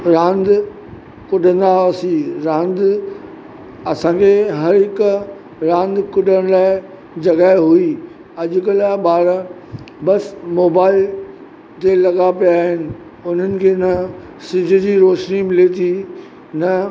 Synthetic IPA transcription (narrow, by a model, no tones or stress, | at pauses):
ɾãːnd̪ | kʊɗʱə̃nd̪asiːɾãːnd̪ | ɐsãːkʰeɦɐɾɦɪk | ɾãːnd̪kʊɗəɽ̃laːɪ | d͡ʑɐɡaːɪɦui | ɐʄʊkəlaɓaːɾə | bɐsmoːbaːɪl | t̪elɐɠapijaːɦɪnɪ̆ | ʊn̤ənɪ̆kʰeːnɐ | sɪd͡ʑʱʊ̆d͡ʑiːɾoːʃnimɪlet̪ʰiː | nɐ